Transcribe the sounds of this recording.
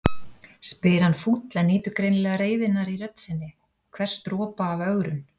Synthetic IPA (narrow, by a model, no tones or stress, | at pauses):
spɪɾanfut̪lɛnːiːt̪ʏkɾejnlɛɣaɾeːjvɪnːaɾiɾœt̪nsɪnːɪ | kʰvɛr̥st̪ɾɔːpaːvœɣɾʏn